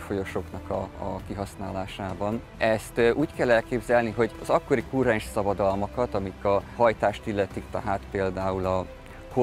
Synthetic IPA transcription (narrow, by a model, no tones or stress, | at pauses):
fo̞jo̞ʃo̞knɒkɒkiɦɒsnaːlaːʃaːbɒn | ɛst̪ʔuːckɛlːɛlkeːbzɛlniɦo̞ɟɒzɒkːo̞ɾikurɛnʃsɒbɒd̪ɒlmɒkɒt̪ɒmikɒhɒjt̪aːʃt̪ilːɛt̪ikt̪ɛ̰ɦaːt̪peːld̪aːulɒ | ho